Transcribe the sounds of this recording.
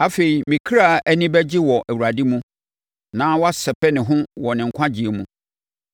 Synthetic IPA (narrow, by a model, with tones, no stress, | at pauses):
a˨fe˨i˨mĩ˨kʰɾa˦˨æ˦nĩ˦bɛ˦d͡ʑɪ˦wɔ˨ʔæ˨wu˨ɾa˨di˦mũ˦ | nãː˦wa˦sɛ˨pʰɛ˦nɪ̃˨ɦʊ̃˦wɔ˨nɪ̃˨ŋ̩˨kʰʷã˦d͡ʑi˨e˨mũ˦